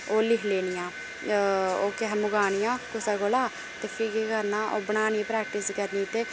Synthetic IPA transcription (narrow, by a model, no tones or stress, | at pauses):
oːlɪkʰleːnɪjãː | oːkɛɦmʊɡaːɽ̃ɪjãːkʊsaːɡolaː | t̪eːpʰɪːkekəɾnãːʔoːbəɳ̃aːnipɾɛːk̚ʈɪskəɾniːt̪eː